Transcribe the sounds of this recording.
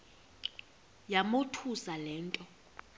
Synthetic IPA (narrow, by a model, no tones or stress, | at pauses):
jamotʰusalɛːntʼɔ